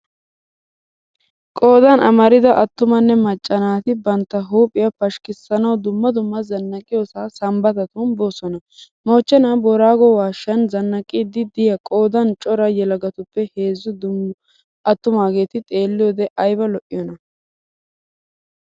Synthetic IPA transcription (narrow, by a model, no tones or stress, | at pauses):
kʼo̞ːd̪ɐnɐ̰mɐɾɪd̪ɐʔɐt̪ːʊmɐnːɛmɐt͡ʃʼːɐnaːt̪ɪbɐnt̪ːɐɦuːpʼːɪjɐpɐʃkɪsːɐnɐwd̪ʊmːɐd̪ʊmːɐzɐnːɐkʼɪjoːsaːsɐmbɐt̪ɐt̪unboːsɔnɐ | moːt͡ʃːɛnaːbɔɾaːɡɔwaːʃːɐnzɐnːɐkʼɪd̪ɪd̪ɪjɐkʼoːd̪ɐnt͡ʃʼɔɾɐjɛlɐɡɐt̪ʊpːɛhe̞ːzːʊd̪ʊm | ɐt̪ːʊmaːɡe̞ːt̪ɪt̪ʼe̞ːlːɪjoːd̪ɛʔɐjbɐlɔʔɪjɔnɐ